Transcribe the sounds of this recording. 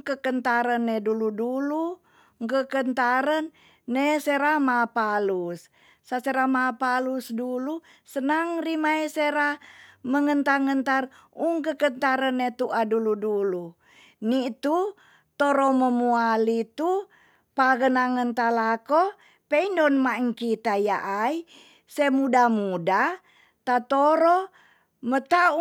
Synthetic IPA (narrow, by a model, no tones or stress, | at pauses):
ŋkəkənt̪aɾənːeduludulu | ŋkəkənt̪aɾənː | eseɾamapalusː | aseɾamapalusdulu | sənaŋrimaeseɾaməŋənt̪aŋənt̪ar | uŋkəkənt̪aɾənːet̪uʔaduludulu | nit̪u | t̪oɾoməmualit̪u | paɣənaŋənt̪alako | peindɔnmaŋkit̪ajaʔai | semudamuda | t̪at̪oɾo | mət̪au